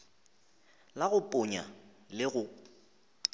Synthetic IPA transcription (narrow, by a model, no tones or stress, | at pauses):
laɣʊpʼʊɲa̰ | lɪɣʊ